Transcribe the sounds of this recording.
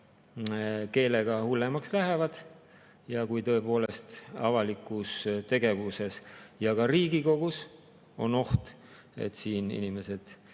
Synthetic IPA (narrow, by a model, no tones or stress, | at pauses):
ke̞ːle̞ɡ̥ɑhulːemɑkslæɦe̞vɑd̪̥ | jɑkujt̪ɤ̞epo̞ːle̞st̪ɑvɑlikːˑust̪e̞ɡ̥e̞vuse̞sjɑkɑriːɡiko̞ɡ̥us | o̞̰no̞ht̪ | e̞̰t̪siːnḭnime̞se̞d̪̥